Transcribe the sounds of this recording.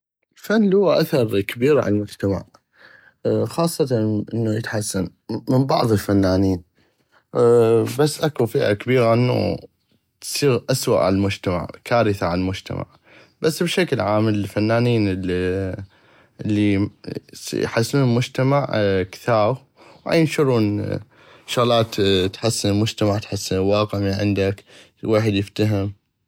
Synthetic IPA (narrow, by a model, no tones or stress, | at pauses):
ʔʔɪlfanːlhʊwːaʔaθɑɾˤkabiːɾʕa̰llmʊd͡ʒt̪ama̰ʕ | xɑːsˤːɑt̪ɑʔɪnːujət̪ħasːanmɪmbɑʕðˤəlfanːaːniːn | basːʔakufiʔʕa̰kabiːɣaʔɪnːṵ | t̪siːɣʔaswa̰ʔʕa̰lalmʊd͡ʒt̪ama̰ʕkaːɾəθaʕallmʊd͡ʒt̪a̰ma̰ʕ | basːbʃaklʕaːməlfanːaːniːnl | ɪlːi | jħasːuːnlmʊd͡ʒt̪amaʕkθaː | wʕa̰jːnʃʊɾˤuːn | ʃʊɣlaːt̪t̪ħasːɪnɪlmʊd͡ʒt̪amaʕt̪ħasːɪnlwɑːqɪʕmiʕɪ̰nd̪ak | weːħəd̪jɪft̪aɦɪm